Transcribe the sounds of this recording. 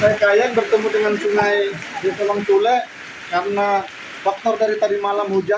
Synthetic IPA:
saakajaŋbərt̪əmudəŋansuŋajdisɔlaŋt̪ulɛʔ | kaɾəna | fak̚t̪ɔrdaɾit̪adimalamhud͡ʒa

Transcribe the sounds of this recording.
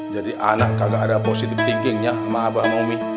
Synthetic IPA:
d͡ʒadiʔanaʔkaɡaʔadaposit̪ɪft̪iŋɡiŋɲamaːbamomi

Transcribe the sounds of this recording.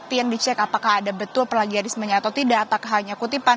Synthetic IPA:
ut̪ijaŋdit͡ʃɛkapakahadabət̪ʊlpəlaɡiandisəməɲaːt̪awt̪idaʔːpakaɦaɲakut̪ipan

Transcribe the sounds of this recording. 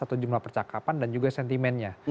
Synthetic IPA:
at̪ud͡ʒumlahpərt͡ʃakapandand͡ʒuɡasɛnt̪imɛnɲa

